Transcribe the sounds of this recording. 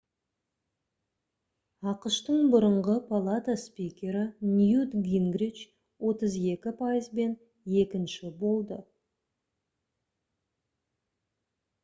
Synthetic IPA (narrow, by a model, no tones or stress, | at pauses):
ɑqəʃt̪əɴbʊɾəɴʁəpʰalˠat̪aspikʲe̞ɾɪnjud̪ɡʲiŋɡɾit͡ʃ | wo̞t̪əze̞kʲɪpʰajəzbe̞n | e̞kʲɪnʃɪbo̞lˠd̪ə